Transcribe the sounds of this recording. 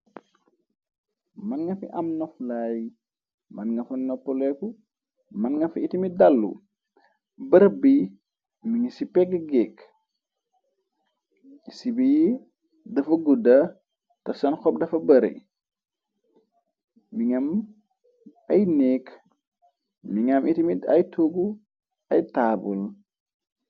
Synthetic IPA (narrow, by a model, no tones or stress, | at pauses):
mɐnŋɐfḭʔɐmnɔflaj | mɐnŋɡɐfɐnɔpːɔlɛku | mɐnŋɡɐfiitimidalːṵ | bɐɾɐbi | miŋisipɛɡəɡɛk | sibiji | dɐfɐɡuda | tɐsɐnxɔp̚dɐfɐbɐɾḭ | miŋam | ajneːk | miŋamʔitimitɐ̰jtʰoɡu | ɐjtabṵl